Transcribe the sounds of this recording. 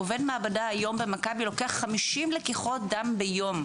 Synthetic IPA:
ovedmaːbadaajo̞mbemakabilo̞keaχːamiʃimlekiχo̞t̪̚dambejo̞m

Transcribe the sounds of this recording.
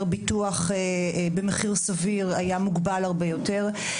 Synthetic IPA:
ʁbituaχebemeχiʁsaviʁajamuɡbalhaʁbejo̞teʁ

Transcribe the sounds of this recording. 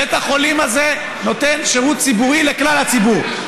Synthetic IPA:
et̪aχo̞limaze̞ | no̞t̪e̞nʃeʁut̪̚t͡sibuʁileklalhat͡sibuʁ

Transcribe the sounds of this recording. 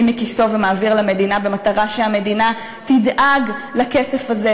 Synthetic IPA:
mekiso̞vemaːviʁlame̞dinabe̞mat̪aʁaʃeame̞dina | t̪idʔaɡlake̞se̞faze

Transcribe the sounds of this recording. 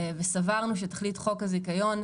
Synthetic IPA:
vesavaʁnuʃ̬etaχlitχo̞kazikajo̞n

